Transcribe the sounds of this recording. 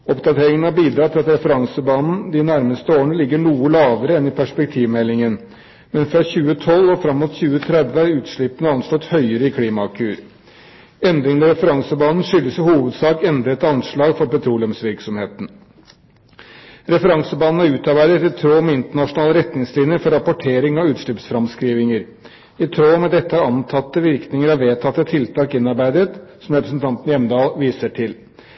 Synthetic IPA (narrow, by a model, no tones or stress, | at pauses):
ɔpd̪ɑt̪ʰeːɾɪŋən̩æɾbiːd̪ɾɑːt̪ʰɪlɑt̪ɾɛfəɾɑŋsəbɑːnn̩d̪ɪnæɾməst̪əoːɳəlɪɡːəɳuːəlɑːʋəɾəɛnɪpʰæʂpɛk̚t̪ʰiːʋmɛlːɪŋən | mɛnfɾɑçʉːət̪ʰɔlːɔfɾɑmːuːt̪çʉːət̪ʰɾɛd̪ʋəæɾʉːt̪ʂɭɪpːənəɑnslɔt̪hœʏəɾəɪkʰɽiːmɑkʰʉːɾ | ɛnd̪ɾɪŋənɛɾɛfəɾɑŋsəbɑːnn̩ʂʏlːəsɪhuːʋəd̪sɑːkɛnd̪ɾəɛt̪ɑnʂɭɑːɡfɔɾpɛt̪ʰɾuːlɛmsʋɪɾksɔmheːt̪n̩ | ɾɛfəɾɑŋsəbɑːnn̩ɑɾʉːt̪ɑɾbæɪd̪ət̪ɪt̪ʰɾoːmɛɪnt̪əɳɑʂʊnɑːləɾɛt̪nɪŋslɪnjəfɔɾɑpɔʈʰeːɾɪŋɑʋʉːt̪ʂɭypsfɾɑmskɾiːʋɪŋəɾ | ɪt̪ʰɾoːmɛd̪ɛt̪ːəæɾɑnt̪ʰɑt̪ːəʋɪɾknɪŋəɾɑʋʋeːt̪ʰɑt̪ːət̪ʰɪlt̪ʰɑːkɪnːɑɾbæɪd̪ət̪sɔmɾɛpɾəsn̩t̪ʰɑnt̪njɛmːd̪ɑːlʋiːsəʈʰɪl